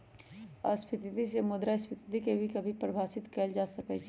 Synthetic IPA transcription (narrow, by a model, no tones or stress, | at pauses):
ə̰spʰɪt̪it̪isemʊd̪ɾaspʰɪt̪it̪ikebʱikɐbʱipɾəbʱaːsɪt̪kɛld͡ʒaːsɐkɛt͡ʃʰ